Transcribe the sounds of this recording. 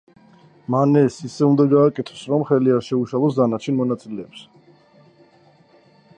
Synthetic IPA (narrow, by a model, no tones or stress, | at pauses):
manɛsisɛund̪aɡaːkʼɛt̪ʰɔ̥sɾɔmχɛliaɾʃɛuʃalˠɔs̬d̪anat͡ʃʰɛnmɔnat̪sʼilɛːps